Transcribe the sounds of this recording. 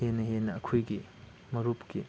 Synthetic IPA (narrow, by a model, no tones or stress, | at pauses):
enɐɦenɐːkʰojɡi | mɐɾupki